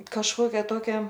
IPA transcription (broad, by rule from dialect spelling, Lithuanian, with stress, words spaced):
kɐʃˈkoːkʲɛ ˈtoːkʲɛ